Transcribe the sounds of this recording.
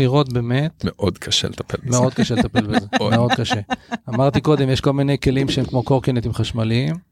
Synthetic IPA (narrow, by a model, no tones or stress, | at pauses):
iʁo̞t̪be̞me̞t̪meʔod̪kʰaʃḛlet̪apelbmmeo̞d̪̚kaʃelet̪apelbezemeo̞d̪kaʃe̞amaʁt̪iko̞d̪emjeʃko̞lmine̞jke̞limʃeemkmo̞ko̞ʁkenet̪imχaʃmaliim